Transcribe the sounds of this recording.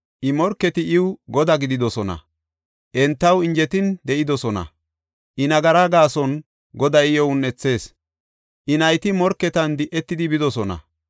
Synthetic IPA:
ʔɪmɔɾkːɛt̪ɪʔɪwɡɔd̪ɐɡɪd̪ɪd̪ɔsɔnɐ̰ | ʔɛnt̪ːɐwɪnd͡ʒɛt̪ɪnd̪ɛʔɪd̪ɔsɔnɐ̰ | ʔɪnɐɡɐɾaɡaːsɔn | ɡɔd̪ɐjjɔʊnːɛt͡sːe̞ːs | ʔɪnɐjt̪ɪmɔɾkːɛt̪ɐnd̪ɪʔːɛt̪ːɪd̪ɪbɪd̪ɔsɔnɐ̰

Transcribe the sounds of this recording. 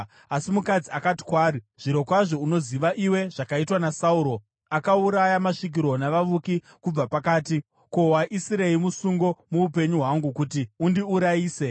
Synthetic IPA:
asimukad͡ziakati̥kwaːɾi | ʐ̥iɾo̞kwaʐo̞uno̞ziʋaʔiwe̞ʐ̥akaitwanasauːɾo̞ | akauɾajamaʂik̬iɾo̞naʋaʋuki | kub͡vapakaːti | ko̞ɦwaʔisiɾe̞imusuŋɡo̞muupe̞ɲuɦwaŋɡukutiundiuɾaiːse̞

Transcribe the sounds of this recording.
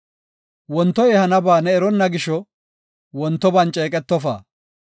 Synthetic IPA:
wɔnt̪ːɔjɛhɐnɐbaːnɛːɾɔnːɐɡɪʃɔ | wɔnt̪ːɔbɐnt͡ʃʼeːkʼɛt̪ːɔfa̰ː

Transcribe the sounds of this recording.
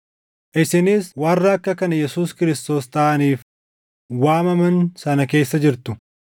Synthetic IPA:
ʔɪsɪnɪswɐrːɐɐkːɐkɐnɐjɛsuːskɪɾɪst̪o̞ːst̪ɐʔɐniːf | waːmɐmɐnsɐnɐke̞ːsːɐd͡ʒɪɾt̪ʊ

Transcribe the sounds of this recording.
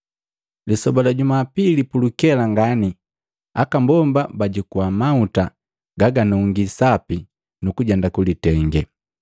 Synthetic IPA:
lisɔbalaɟumapilipulukɛlaŋɡani | akambɔmbabaɟikuamauta | ɡaɡanuŋɡisapi | nukuɟɛndakulitɛŋɡɛ

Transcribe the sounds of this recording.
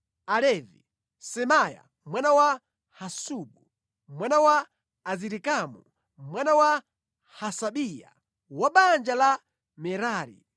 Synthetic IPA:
alɛvi | sɛmaja̰ | mwanawa | hasuɓu | mwanawaː | ziɾikamu | mwanawa | hasaɓija̰ | waɓand͡ʒala | mɛɾaːɾḭ

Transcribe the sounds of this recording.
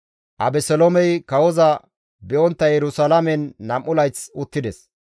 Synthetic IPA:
ʔɐ̰bɛsɛlomɛjkɐwɔzɐ | bɛʔɔnt̪ːɐjɛɾʊsɐlɐmɛnːɐmʔːʊlɐjt͡sʊt̪ːɪd̪ɛs

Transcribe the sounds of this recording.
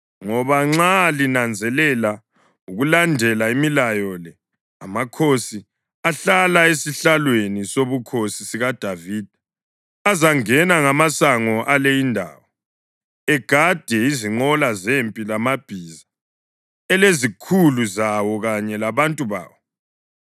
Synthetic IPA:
ŋɔβaŋ͡ǁalinand͡zʱɛlɛla | uɣulandʱɛlaimilajɔlɛ | amakʰosi | aɬalaesiɬalwenisoβukʰosisiɣad̥ʱaviːd̥ʱ | azaŋɛnaŋamasaŋɔʔalejindʱa̰ːwɔ | ɛɡ̥ʱad̥ʱɛiziŋ͡ǃɔlazempʼilamab̥ʱiːza | ɛlezikʰuluzawɔɣaɲɛlaβantʼuβa̰ːwɔ

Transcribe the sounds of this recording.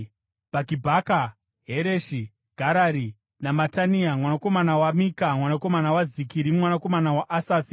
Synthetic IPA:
b̥ʱakibʱaka | ɦeɾeʃi | ɡ̥ʱaɾaɾi | namataniamwanako̞manawamikamwanako̞manawazikiɾimwanako̞manawaʔasaːfi̥

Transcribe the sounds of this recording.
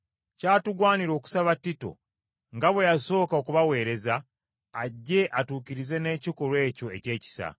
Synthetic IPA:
caːtuɡwaːniɾo̞ːku̥saβatːito̞̰ | ŋɡaβwe̞jaso̞ːkaokuβawe̞ːɾe̞zaː | ɟːe̞ʔatuːkiɾize̞ne̞ːciko̞ɾwe̞ːco̞e̞ce̞ːci̥sa̰

